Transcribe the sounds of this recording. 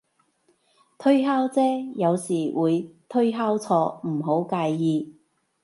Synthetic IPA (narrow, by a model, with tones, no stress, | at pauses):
t̪ʰɵ˥ɥɦaː˥wt͡sɛː˥jɐ˨˧wsiː˨˩wuː˨˧jt̪ʰɵ˥ɥɦaː˥wt͡sʰɔː˧m̩˨˩ɦo˨˥wkaː˧jːiː˧